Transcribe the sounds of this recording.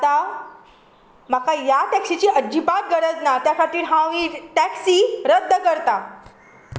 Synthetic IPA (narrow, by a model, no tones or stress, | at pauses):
t̪a | m̤akajaʈɛksit͡ɕiːʔəd͡ʑipat̪̚ɡəɾəd͡znat̪jasaʈiːɾɦãiʈæksiːɾəd̪ʱːəkəɾt̪a